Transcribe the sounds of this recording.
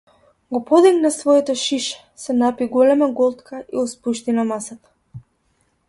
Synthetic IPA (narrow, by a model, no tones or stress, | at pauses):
ɡɔpɔd̪iɡnasvɔɛt̪ɔʃiʃɛ̥sɛnapiɡɔlɛmaɡɔlˠt̪kʰaiɔspuʃt̪inamasat̪ḁ